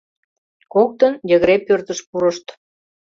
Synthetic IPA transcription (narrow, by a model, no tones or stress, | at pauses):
kok̚t̪ənjəɣəɾepørt̪əʃpuɾəʃt̪